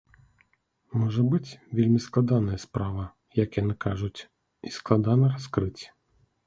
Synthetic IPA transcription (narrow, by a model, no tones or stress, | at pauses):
mɔʒɛbɪtʲʋʲilʲmʲisklˠɐd̪ɑnɐjɐspɾɑʋɐ | jɐkjɐnɪkɑʒʊtʲ | isklˠɐd̪ɑnɐɾɐskɾɪtʲ